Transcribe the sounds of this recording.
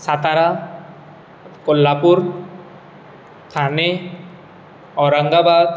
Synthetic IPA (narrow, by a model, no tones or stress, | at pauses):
sat̪aɾa | kolːapuɾ | t̪ʰane | ɔɾaŋɡabad̪